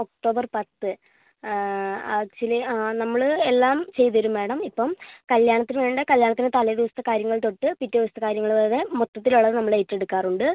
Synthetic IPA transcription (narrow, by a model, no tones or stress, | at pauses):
ok̚ʈo̞ːbɐrpɐt̪ːɨ | ɐt͡ɕilɐnɐmːɐɭelːaːmt͡ɕe̞jt̪ʋɐɾumːe̞ːɳɐmipːomkɐljaːɳɐt̪ːinɨʋe̞ːɳɖɨkɐljaːɳɐt̪ːinet̪ɐlɐjd̪iʋɐst̪ɐkaːɾjɐŋːɐɭt̪o̞ʈːɨpitːɐðiʋɐst̪ʰːɐkaːɾjɐŋːɐɭʋeːðemot̪ːɐt̪ːiluɭːɐðɨnɐmːɐɭe̞ːtːe̞ɽukːaːruɳɖɨ